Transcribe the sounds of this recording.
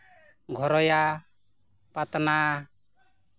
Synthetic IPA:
ɡʱɔɾɔja | pat̪na

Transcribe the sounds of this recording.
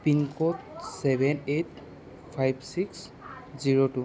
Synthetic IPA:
piŋkotsɛbʱɛnet̚ | pʰajbsiks | ziɹotu

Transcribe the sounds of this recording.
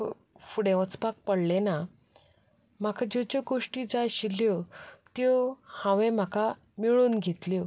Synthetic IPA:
fuɽẽʋət͡spak̚pəɽlena | m̤akʰad͡ʑot͡ɕoɡoʂʈid͡zaɕiljot̪johãʋẽm̤aka | miɭuːnɡʱet̪ljo

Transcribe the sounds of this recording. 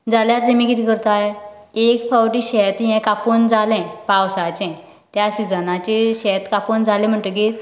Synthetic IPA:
d͡zaljaɾt̪emikit̪ʰikəɾt̪aje | ekfawʈiɕɛt̪ɦɛ̃kapond͡zalɛ̃pawsat͡ɕɛ̃ | t̪jasid͡zənat͡ɕeɕɛt̪kapond͡zʱalẽm̤əɳʈ̪ək̬i

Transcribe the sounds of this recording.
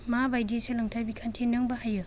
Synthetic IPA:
mabajdeselaŋtʰajbikʰantʰenɯŋbahajɯ

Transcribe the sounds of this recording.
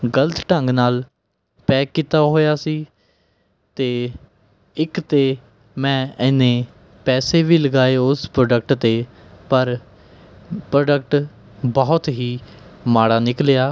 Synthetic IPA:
ɡələt̪ʈəŋɡnaːl | pɛːkːiːt̪aːɦoːjaːsiː | t̪eː | ɪkt̪eː | mɛ̃ːɪnẽː | pɛːseːʋiːləɡaːeːʊspɾoːɖək̚ʈt̪eː | pəɾ | pɾoːɖək̚ʈ | bɔːt̪ɦiːmaːɽaːnɪkljaː

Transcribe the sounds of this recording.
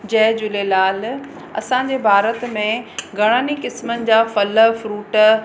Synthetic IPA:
d͡ʑɐɦd͡ʑʊlelaːl | ɐ̰sãɲd͡ʑeːbʱaːɾət̪mẽɡʱɐɽ̃aːnikɪsmənɪ̆d͡ʑaːfɐləfɾuːʈ

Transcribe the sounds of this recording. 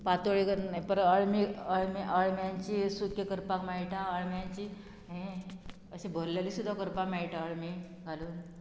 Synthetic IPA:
pat̪oɭikpəɾəɭmiəɭmiʔəɭmjãɲt͡ɕisukʰjəkəɾpakmajʈãəɭmjaɲt͡ɕiː | ɦẽ | əɕebʱəɾlalisud̪ʱːakəɾpamaiʈaəɭmi | ɡʱaluːn

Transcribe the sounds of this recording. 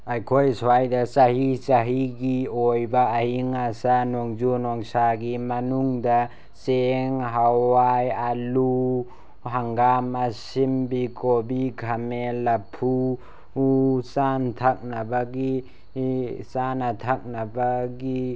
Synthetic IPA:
ajkʰojsɔajdasaɦisaɦiɡiojbaːhiŋasanɔŋd͡ʒunɔŋsaɡimanuŋda | seŋɦawajalu | ɦaŋɡamasimbikobikʰamelapʰu | santʰak̚nabaɡi | sanatʰak̚nabaɡi

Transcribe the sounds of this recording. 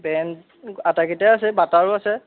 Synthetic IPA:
bɛnt | atakitaasɛbataɹʊasɛ

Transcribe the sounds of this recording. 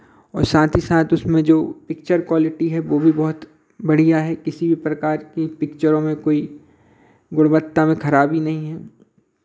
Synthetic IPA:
ɔːɾsaːt̪ʰisaːt̪ʊsmẽd͡ʒoːpɪk̚t͡ʃəɾkwaːlɪʈiɦɛʋoːbʱibɔɦʊt̪ | bɐɽ̤ijaɦɛkɪsibʱipɾɐkaːɾkipɪkt͡ʃəɾõmẽkoːi | ɡʊɽbət̪ːamẽkʰɐɾaːbinɐɦĩɦɛː

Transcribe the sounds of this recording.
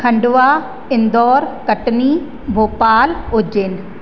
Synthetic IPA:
kʰɐ̃ɳɖʊʋa | ɪ̃nd̪ɔːɾkɐʈni | bʱoːpaːlɦʊd͡ʑenɪ̆

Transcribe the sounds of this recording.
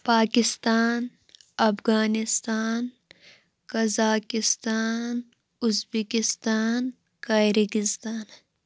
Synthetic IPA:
paːkɪst̪aːn | ɐfɣaːnɪst̪aːn | kɐzaːkɪst̪aːn | ʊzbikist̪aːn | kaiɾikɪst̪aːn

